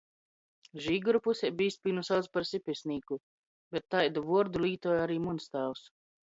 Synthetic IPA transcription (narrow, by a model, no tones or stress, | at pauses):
ʒiːɡuɾupusʲɛbʲiːspʲiːnusalspaɾsipʲɛsʲnʲiːku | bɛt̪ːajd̪uvuɔɾd̪uliːt̪ɔːjaɾiːmunst̪aːws